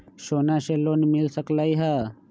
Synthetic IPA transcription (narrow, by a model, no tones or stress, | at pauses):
ʃoːnaːɕeloːnimilsɐklaiɦa